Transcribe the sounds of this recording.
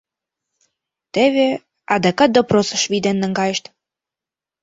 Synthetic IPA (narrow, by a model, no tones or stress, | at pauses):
t̪eβe | ɑd̪ekɑt̪̚d̪oprosə̆ʃβid̪enːə̆ŋɡɑjeʃt̪